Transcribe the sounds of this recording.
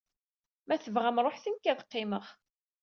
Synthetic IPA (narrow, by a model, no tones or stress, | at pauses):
mæθəvʁæmɾˤoħθinkːæðqːɪməʁ